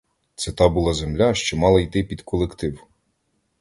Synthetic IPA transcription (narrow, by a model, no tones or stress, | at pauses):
t̪sɛt̪ɑbuʊlˠɑzemlʲaʃt͡ʃɔmɑlˠɐjt̪ɪpʲid̪kʰɔlˠekt̪ɪw